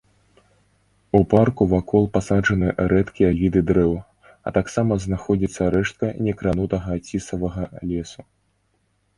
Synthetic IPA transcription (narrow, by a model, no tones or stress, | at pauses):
uparkuvakʰɔlˠpasaʐɐnɨɾɛt̪kʲijɐlʲid̪ɨd̪ɾɛw | ɐ̰t̪aksamɐznaxɔd͡zʲit̪sːɐɾɛʂt̪̚kɐnʲɛkɾanut̪ɐɣɐt͡sʲisɐvɐɣɐlʲɛsu